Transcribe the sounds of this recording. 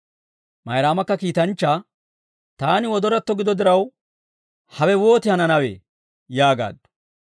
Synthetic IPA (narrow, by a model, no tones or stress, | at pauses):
mɐjɾaːmɐkːɐkiːt̪ɐnt͡ʃːaː | t̪aːnɪwɔd̪ɔɾɐt̪ːɔɡɪd̪ɔd̪ɪɾɐw | hɐwɛwo̞ːt̪ɪhɐnɐnɐwḛː | jaːɡa̰ːd̪ː